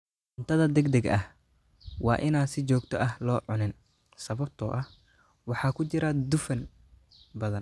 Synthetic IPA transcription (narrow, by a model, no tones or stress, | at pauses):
ʕʊnt̪ʰɐðɐd̪ɛɡd̪ɛɡʔɐ̰h | wɑ̰ːʔɪnaːnsɪt͡ʃɔːɡt̪ʰɔʔɐhlɔːʕʊnɪn | sɐβɐb̚t̪ʰɔːʔɐh | wɑħɑːkʰʊt͡ʃɪɾɐd̪ʊfɐn | bɐðɐn